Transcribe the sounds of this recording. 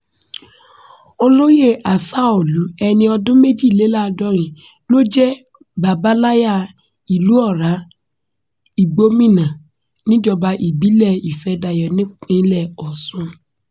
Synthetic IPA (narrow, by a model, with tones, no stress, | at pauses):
o˧lo˦je˦˨ʔa˨sa˦o˦˨lu˨˦ɛ˧nĩ˧ɔ˧dʊ̃˦me˦d͡ʒi˦˨le˨˦la˦˧dɔ˦ɾ̃ĩ˨ | lo˦d͡ʒɛ˦ | ba˨ba˦la˦ja˦˨ | i˨lu˨˦ɔ˦˨ɾa˨˦ | i˨ɡ͡bo˦mĩ˦˨nã˨ | nĩ˦d͡ʒɔ˧ba˧ʔi˨bi˨˦lɛ˦˨i˨fɛ˨˦da˧jɔ˨nĩ˦ĩ˦lɛ˦˨ɔ˨sũ˧